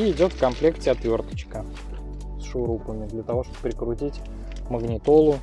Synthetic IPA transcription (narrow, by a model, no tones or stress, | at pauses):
iɪdʲo̞t̪fkɐmplʲe̞ktʲɪɐt̪vʲo̞rt̪ə̥t͡ɕkə | sʂʊɾupəmʲɪd̪lʲət̪ɐvo̞ʂt̪obəpɾʲɪkɾʊtʲitʲ | məɡnʲɪt̪o̞lˠʊ